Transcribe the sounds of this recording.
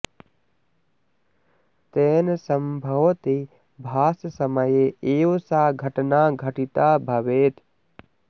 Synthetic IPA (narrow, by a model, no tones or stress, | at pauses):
t̪eːnsəmbʱɐʋt̪i | bʱaːssəməjeeːwsaɡʱɐʈnaɡʱəʈit̪abʱɐʋeːt̪